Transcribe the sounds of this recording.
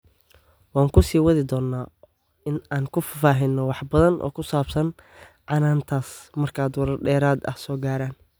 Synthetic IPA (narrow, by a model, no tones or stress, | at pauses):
wɑːŋkʰʊsiːwɐðɪd̪ɔːnːaː | ɪnaːŋkʰʊfɐfaːɦɪnːɔwɑħbɐðɐnʔɔ̰ːkʰʊsaːbsɐnʕɑnaːnt̪ʰaːsmɐrkʰaːd̪wɐɾɐrɖɛːɾaːd̪ɐ̰hsɔːɡaːɾaːn